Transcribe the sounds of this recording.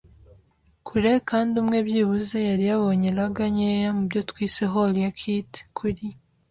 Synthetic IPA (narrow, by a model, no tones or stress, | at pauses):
kʰuɾe̞kaːndumŋe̞bjiβuze̞jaɾijaβo̞ɲe̞ɾaɡaɲejamubjo̞twiːse̞ɦolijakʰite̥kʰuɾi